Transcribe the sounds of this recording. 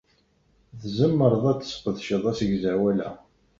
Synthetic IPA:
ðzəmːəɾˤðˤæt͡sːsqːəðʃəðˤæsəʝzæwælæ̰

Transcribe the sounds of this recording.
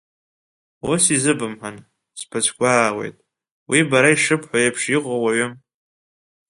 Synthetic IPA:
wosizɨbɨmħʷan | spʰat͡ʃʷʰkʷaːʁe̞̰jtʼ | wibaɾaiʂɨpʰħʷajapʰʂiqʷʼawaɥʊm

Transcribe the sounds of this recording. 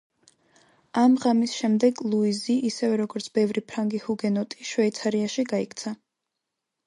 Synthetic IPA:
amʁamisʃɛmd̪ɛɡlˠuiziʔːsɛvɛɾɔɡɔɾt̪sʰb̥ɛvɾipʰɾaŋɡihuɡɛnɔt̪ʼiʃwɛit̪sʰaɾiaʃiɡaikʰt̪sʰa

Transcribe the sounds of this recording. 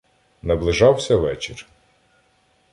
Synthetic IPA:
nɐblˠɪʒɑwsʲɐʋɛt͡ʃɪr

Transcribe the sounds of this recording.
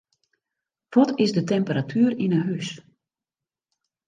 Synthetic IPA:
ʋɔtɪzdətɛmpəɾatʰyərinəɦys

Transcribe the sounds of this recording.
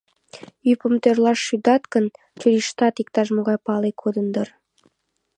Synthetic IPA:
ypə̆mt̪ørlɑʃːyd̪ɑt̪kə̆n | t͡ɕuɾiʃt̪ɑt̪ikt̪ɑʃ̬moɣɑjpɑlekʰod̪ənd̪ər

